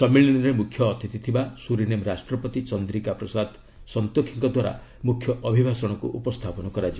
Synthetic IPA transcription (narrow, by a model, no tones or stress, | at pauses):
sɔmiɭinɾemukʰjɔːt̪ʰit̪it̪ʰibasuɾinemɾasʈɾɔpɔt̪it͡ʃɔnd̪ɾikapɾɔsad̪ | sɔnt̪okʰiŋkɔd̪waɾa̰ | mukʰjɔʔɔbʱibʱasɔɽ̃ɔkṵʔupɔst̪ʰapɔnɔkɔɾad͡ʒiba